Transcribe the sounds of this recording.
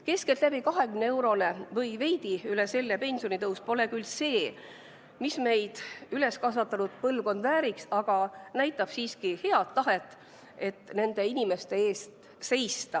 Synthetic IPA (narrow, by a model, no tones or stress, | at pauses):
ke̞sket̪læbikɑɦe̞kymneewɾo̞le̞vɤjve̞jd̪̥iylese̞lːepe̞nʲsijo̞nit̪ɤwspo̞le̞kylse̞ː | misme̞jd̪̥yle̞skɑsvɑt̪ːˑɑnud̪̥pɤlvko̞nd̪væːɾiksɑɡ̥ɑnæjt̪ːˑɑb̥siːskihe̞ɑt̪ːɑɦe̞t̪ːˑ | e̞t̪ːˑne̞nd̪̥e̞inime̞st̪e̞e̞ːst̪ | se̞jst̪ɑ